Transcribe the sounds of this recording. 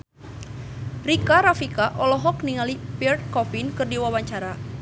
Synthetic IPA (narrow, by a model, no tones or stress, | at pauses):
rikaɾafikaʔɔlɔɦɔkniŋalipirt̪̚kɔfinkɨrdiwawaɲt͡ʃaɾa